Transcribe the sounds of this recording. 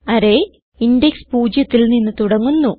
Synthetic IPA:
ɐɾe̞ | indekspuːd͡ʑjɐt̪ːilninːɨt̪uɽɐŋːunːu

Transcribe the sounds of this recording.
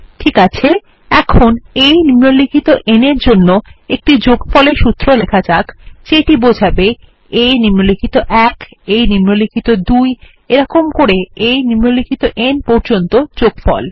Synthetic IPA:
ʈʰikat͡ɕʰe | ɛkʰonejnimolikʰit̪oʔeneɾd͡ʑonːoek̚ʈid͡ʑoɡfɔleɾʃut̪ːɾolekʰad͡ʑakt͡ɕeʈibod͡ʑʱabe | ejnimolikʰit̪oʔɛk | ejnimolikʰit̪od̪uj | eɾɔkomkoɾeejnimːolikʰit̪oʔenpɔɾd͡ʑont̪od͡ʑoɡfɔ̰l

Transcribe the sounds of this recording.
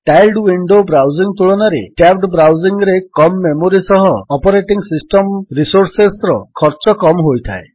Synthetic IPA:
ʈajlɖwiɳɖobɾawd͡ʒiŋt̪uɭɔnaɾekabɖbɾawd͡ʒiŋɾekɔmːemoɾisɔɦɔːpɔɾeʈiŋsisʈɔmɾisoɾsesɾɔkʰɔɾt͡ʃɔkɔmɦojt̪ʰa̰e

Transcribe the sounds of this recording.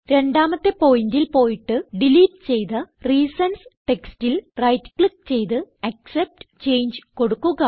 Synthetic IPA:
ɾe̞ɳɖaːmɐt̪ːe̞po̞ːjindilpo̞ːjiʈːɨɖiliːʈt͡ɕe̞jt̪ɐriːsɐnsʈe̞kstilrɐjtːkɭik̚t͡ɕe̞jt̪ɨɐksep̚ʈɨt͡ɕe̞jɲd͡ʑɨko̞ɽukːuɣɐ

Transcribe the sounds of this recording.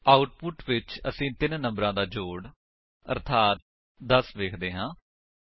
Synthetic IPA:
aːʊʈpʊʈʋɪt͡ʃəsĩːt̪ɪnnə̃mbɾãːd̪aːd͡ʒoːɽ | ə̰ɾt̪ʰaːt̪̚ | d̪əsʋeːkʰd̪eːɦãː

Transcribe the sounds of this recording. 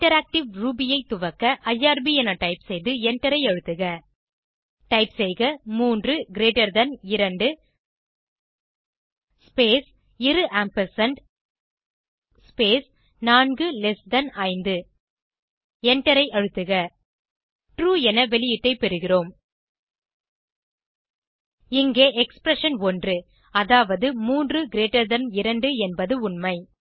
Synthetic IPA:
ɪʈɐɾaːk̚ʈɪʋɾuːbɪjɐɪt̪ːʊʋɐkːɐʔɐjːaːɾbiɛnɐʈɐɪpsɛjðɯɛɳʈɛɾɐɪɐɻɯt̪ːɯɣɐ | ʈɐɪpsɛjɣɐmuːndrɯɡɪɾeːʈːɐɾd̪ɐnɪɾɐɳɖɯ | speːs | ɪɾɯʔaːmpɐsɐɳɖ | peːs | naːnɡɯlɛsd̪ɐnɐɪnd̪ɯ | ɛɳʈːɐɾɐɪʔɐɻɯt̪ːɯɣɐ | ʈɾuːɛnɐʋɛlɪjɪʈːɐɪpɛɾɯɣɪroːm | ɪŋɡeːʔɛkspɾɐʂɐnɔndrɯ | ɐðaːʋɐðɯmuːndrɯɡɪɾeːʈːɐɾðɐɾmɪɾɐɳɖɯɛnbɐðɯʊɳmɐɪ

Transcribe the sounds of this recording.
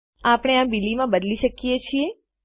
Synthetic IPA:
apəɽ̃eabilimãbəd̪liʃəkijet͡ʃʰie

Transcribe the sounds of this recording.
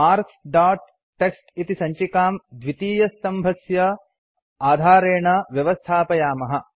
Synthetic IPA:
maːɾksɖaːʈ̚ː | eksʈit̪isɐɲt͡ʃikaːmd̪ʋit̪iːjɐst̪ɐmbʱɐsjɐ | aːd̪ʱaːɾeːɳɐʋjɐʋɐst̪ʰaːpɐjaːmɐɦɐ

